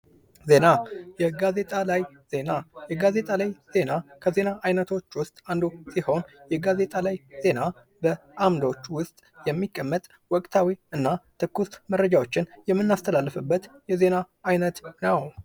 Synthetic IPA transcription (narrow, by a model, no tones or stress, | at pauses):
ze̞najɛɡaze̞t̪ʼalaj | z̥e̞najɛɡaze̞t̪ʼalajz̥e̞nakʰəze̞naʔajnət̪ʰo̞t͡ʃːwʊst̪ʼand̪osiho̞njɛɡaze̞t̪ʼalajze̞na | bə | ʔamd̪ot͡ʃːwʊst̪ʼjɛmːikʼːəmːət̪ʼ | wɔkʼt̪ʰawiɨnːat̪ʰɨkːust̪mərːəd͡ʒawo̞t͡ʃːɪnjɛmːɨnːast̪ʰəlalːɨfɨbːət̪jɛze̞na | ajnət̪nəw